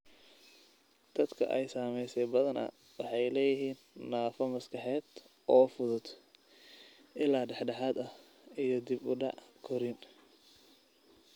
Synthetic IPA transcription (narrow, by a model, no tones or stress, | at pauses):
d̪̥ɐd̪kʰɐ̰ʔɛjsaːmɛjsɛjbɐðɐnɐ̰ | wɑħɑjlɛːjɪɦiːnːaːfɐmɐskʰɑħɛːd̪ | ʔɔːfʊðʊd̪ | ɪlaːɖɛħɖɑħɑːd̪ɐh | ijɞd̪ɪbʊɖɑ̰ʕkʰɔɾɪn